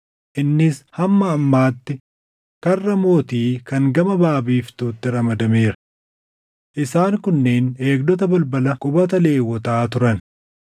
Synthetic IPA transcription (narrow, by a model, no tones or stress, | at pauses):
ʔɪnːɪshɐmːɐːmːaːt̪ːɪ | kɐrːɐmo̞ːt̪iːkɐŋɡɐmɐbaːbiːft̪uːt̪ːɪɾɐmɐd̪ɐme̞ːɾɐ | ʔɪsaːŋkʊnːeːne̞ːɡd̪ɔt̪̬ɐbɐlbɐlɐkʼʊbɐt̪̬ɐle̞ːwːɔt̪aːt̪ʊɾɐn